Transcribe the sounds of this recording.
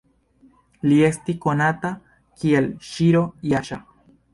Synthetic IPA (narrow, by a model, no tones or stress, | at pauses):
liest̪ikonat̪a | kielʃiɾojaʃa